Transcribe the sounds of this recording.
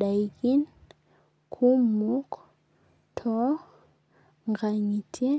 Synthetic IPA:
ɗa˨i˨ki˦n | kʰu˦mu˦k | tʰɔ˦ | ŋɡa˨ɲi˨tʰe˦

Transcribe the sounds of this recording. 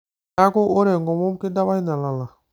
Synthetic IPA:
a˦ko˦ʔo˦ɾɛ˨ŋɡɔ˨mo˦m˦ke˦da˦ba˦i˦na˨la˨la˨

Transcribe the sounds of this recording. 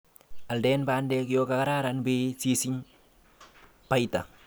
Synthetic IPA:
a˨ldɛ˦nba˦ndɛ˦k̬jo˦ka˨ka˦ɾa˦ɾa˨nbesi˦sɪ˦ɲ | pa˦jt̪a̰˨

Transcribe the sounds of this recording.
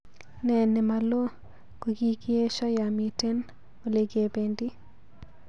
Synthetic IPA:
nɛ˨nɛ˨ma˨lo˦ | ko˨ɡi˦kɪ˦e˦ʃɔ˦ja˨mi˨te˦n | o˨le˨ɡe˨be˨ndi˦

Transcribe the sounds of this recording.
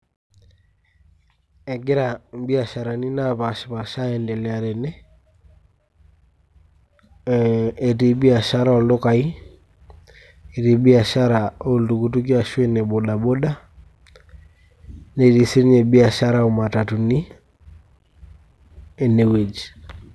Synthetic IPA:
e˨ɡɪ˦ɾa˨mbi˦a˨ʃa˨ɾa˨ni˦na˦pa˨ʃpa˨ʃa˦ɛ˨ndɛ˨lɛ˨a˨ɾɛ˨nɛ˦ | e˨ti˨bi˦a˨ʃa˦ɾa˦ɔ˨lo˦ka˨i˦ | e˨ti˨˦bi˦a˨ʃa˦ɾa˨o˦˨ltu˨ku˦tu˦k̬i˦a˨ʃwe˦ne˨bo˨ɗa˨bo˦da˦ | ne˨ti˨˦si˦ɾɲe˨bi˦a˨ʃa˦ɾa˦u˨ma˨ta˨tu˨ni˦ | e˨ne˨we˨d͡ʒ

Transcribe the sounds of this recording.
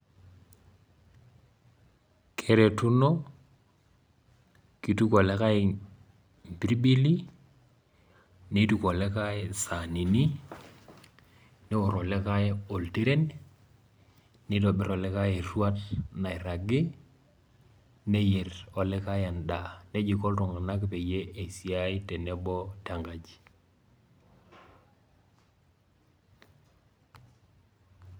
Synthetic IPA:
kʰe˦ɾe˨tu˦no˦ | ki˨tu˦kɔ˨le˦ka˦ɪ˨ | m˨bi˦ɾi˦bi˦li˦ | ne˦tu˨kɔ˨lɛ˦ka˦ɪ˦sa˨ni˨ni˦ | ne˦ɔ˨ɾɔ˨lɛ˦ka˦o˨lte˦ɾe˦n | nɪ˦dɔ˨bɪ˦ɾɔ˨lɛ˦ka˦je˨ɾwa˦tna˨i˨ɾa˨ɡɪ˦ | ne˦je˨rɔ˨lɛ˦ka˦ja˨nda˨ne˦d͡ʒi˨kɔ˦ltɔ˨ŋɡa˨na˦kpe˨je˦ʔe˨si˨a˦ɪ˦te˨ne˦bɔ˦ta˨ŋɡa˨d͡ʒi˨

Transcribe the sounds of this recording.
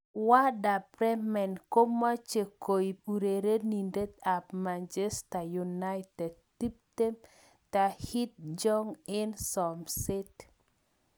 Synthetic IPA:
wa˦da˨pɾɛ˦mɛ˨nko˦ma˦t͡ʃe˨ko˨i˨u˨ɾe˨ɾe˦ni˨nde˦t̪̚a˨pma˨nd͡ʒɛ˦sta˨ju˨na˦ɪtɛ˨d̚ti˦p̚te˦m | ta˨hi˦t̪̚d͡ʒɔ˦ŋɪ˦nsɔ˨msɪ˦t

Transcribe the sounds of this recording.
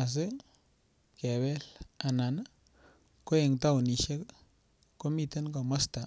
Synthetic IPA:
a˨s̬e˦ | kɛ˨wɛ˦la˨na˨n | ko˦e˨ŋta˦wni˨ʃe˦k | kːo˦mi˦te˦nkɔ˨mɔ˦sta˨

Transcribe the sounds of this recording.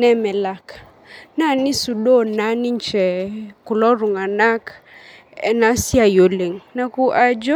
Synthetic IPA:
nɛ˦mɛ˨la˨k | na˦˨ni˦su˨ɗo˦˨na˦ni˦ɲ˦t͡ʃɛ˨ku˨lɔ˦ɾu˨ŋa˨na˦k | ɛ̰˨na˦si˦a˨jo˨le˨ŋna˨ku˦ʔa˨d͡ʒɔ˦

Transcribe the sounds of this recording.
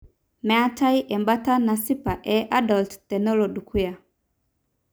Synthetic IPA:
mɛ˨a˦tʰa˦i˦ʔɛ˨mba˦ta˦na˨si˦pa˨ʔɛ˨ʔa˦dɔ˨lttɛ˨nɔ˦lɔ˨du˨ku˦ja˨

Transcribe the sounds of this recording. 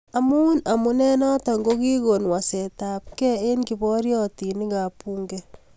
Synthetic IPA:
a˨mu˦na˨mu˦nɛ˦nɔ˦ta˨ŋɡo˦ki˦ko˨nwa˨sɛ˨ta˨p̚kɛ˦e˦nki˨bɔ˦ɾjɔti˨ni˦kapu˦ŋɡɛ

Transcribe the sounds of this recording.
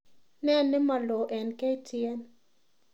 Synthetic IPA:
nɛ˦˨nːɪ˦ma˨lɔ˨ʔɛ˨nke˦i˦tʰɪɛ˦n

